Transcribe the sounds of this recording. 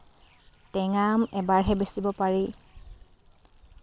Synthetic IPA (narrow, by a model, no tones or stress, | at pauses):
tɛŋamɛbaɹɦɛbesibɔpaɹi